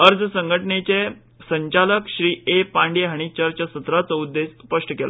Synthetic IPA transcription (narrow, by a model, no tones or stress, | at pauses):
əɾd͡zəsəŋɡʱəʈənet͡se | səɲt͡ɕaləkɕɾiːepãɳɖeɦaɽ̃it͡ɕəɾt͡ɕəsət̪ɾat͡sɔud̪ːespəʂʈəkela̰